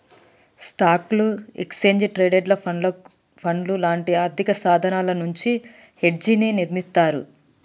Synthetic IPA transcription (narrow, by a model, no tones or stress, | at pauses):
sʈaːkluḛkst͡ʃeːɲd͡ʒʈɾeːɖeɖlɐ | pʰɐnlulaːɳʈiaːɾd̪ʱikɐsaːd̪ʱɐnaːlɐnuɲt͡ʃi | he̞ɖ̚d͡ʒininiɾmist̪aːɾṵ